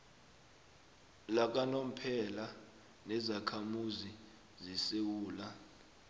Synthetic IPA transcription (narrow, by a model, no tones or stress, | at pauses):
lak̬anom̩pʰɛla | nɛzakʰamuzi | zisew̬uːla